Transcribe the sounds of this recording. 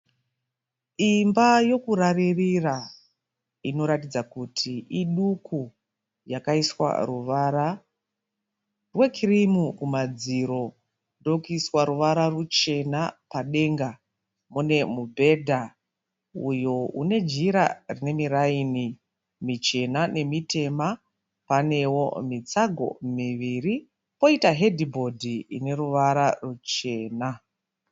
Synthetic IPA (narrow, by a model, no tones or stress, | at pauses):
imbajo̞kuɾaririra | ino̞ɾatid͡zakutʰiiɗuku | jakaiswa̰ruʋaɾa | rwe̞kʰirimukumad͡ziɾo̞ | ndo̞kuiswaɾuʋaɾarut͡ʃe̞napaɗe̞ŋɡa | mune̞mubʱe̞dʱa | ujo̞ṵne̞d͡ʒiɾa̰rine̞miɾaiːni | mit͡ʃe̞nane̞mite̞ma | pane̞wo̞mit͡saɡʱo̞̰miʋiri | po̞itaɦe̞dʱibʱo̞dʱḭːne̞ɾuʋaɾarut͡ʃe̞ːna